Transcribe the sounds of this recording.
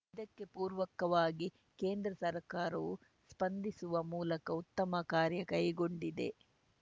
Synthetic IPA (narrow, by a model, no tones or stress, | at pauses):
id̪ɐkːe̞puːɾʋɐkɐʋaːɡi | keːnd̪ɾɐsɐɾkaːɾɐʋu | spɐnd̪isuʋɐmuːlɐkɐut̪ːɐmɐkaːɾjɐkɐjɡo̞ɳɖid̪e̞̰